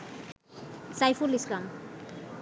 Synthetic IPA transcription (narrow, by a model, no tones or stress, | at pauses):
sajfuliskam